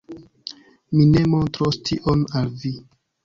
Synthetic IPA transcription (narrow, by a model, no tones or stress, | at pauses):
mine̞mo̞ntɾostʰiʔonalvi